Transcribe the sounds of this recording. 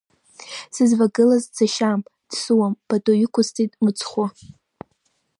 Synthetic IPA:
sɨzvaɡɨlazd͡zaʃamd̥suwamb̥atʼojɪkʷʊztʰʼitʼmɨt͡sʰχʷʊ

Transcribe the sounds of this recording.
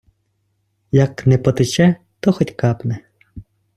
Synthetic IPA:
jaknɛpɔt̪ɪt͡ʃɛ | t̪oxɔtʲkapnɛ

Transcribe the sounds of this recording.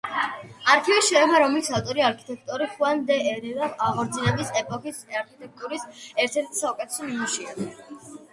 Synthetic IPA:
aɾkʰivisʃɛɛbaɾɔmlisʰaft̪ʼɔɾiaɾkʰi̥t̪ʼɛk̚ʰt̪ʼɔɾiχuand̪ɛɛɾɛnavaʁɔɾd̪sʰinɛbisɛpʼɔkʰisaɾkʰit̪ʼɛk̚t̪ʼuɾisɛɾt̪ʰɛɾt̪ʰi̥saɔkʼɛt̪ʰɛ̥sɔmimuʃia

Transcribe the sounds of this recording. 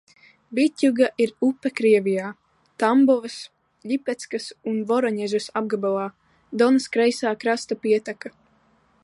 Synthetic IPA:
bit̪ʲjuɡaʔiɾupːɛkɾiɛvʲijaː | t̪ambɔvɨs | ʎʲipɛt̪skasunvɔɾɔɲɛʒusab̚ɡabalˠaː | d̪ɔnɨskɾɛjsaːkɾast̪apiɛt̪aka

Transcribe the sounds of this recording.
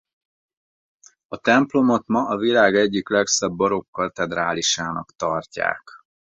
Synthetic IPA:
ɒt̪ɛmplo̞mo̞t̪mɒʔɒvilaːɡɛɟːiklɛksɛbːɒɾo̞kːɒt̪ɛd̪ɾaːliʃaːnɒkt̪ɒrca̰ːk

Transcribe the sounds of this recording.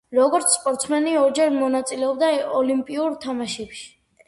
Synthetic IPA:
ɾɔɡɔɾt̪sʰspʼɔɾt̪sʰmɛniɔɾd͡ʒɛɾmɔnat̪sʼilɛɔbd̪aɔlimpʼiuɾt̪ʰamaʃɛpʃi̥

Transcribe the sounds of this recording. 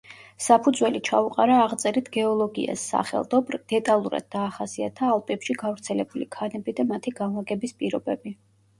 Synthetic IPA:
sapʰud̪zwɛlit͡ʃʰauqʼaɾaːʁt̪sʼɛɾit̪ʰɡ̥ɛɔlˠɔɡia̰sːa̰χɛ̰lˠd̪ɔbɾd̪̥ɛt̪ʼalˠuɾa̰d̪̚ːaːχasia̰t̪ʰaːlˠpʼɛpʃiɡavɾt̪sʰɛlɛbulikʰanɛbid̪amat̪ʰiɡanlˠaɡɛbispʼiɾɔbɛbi

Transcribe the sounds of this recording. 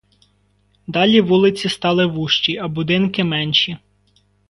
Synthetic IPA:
d̪ɑlʲiʋulˠɪt͡sʲist̪ɑlˠɪʋuʃt͡ʃiɐbʊd̪ɪnkɪmɛnʲʃi

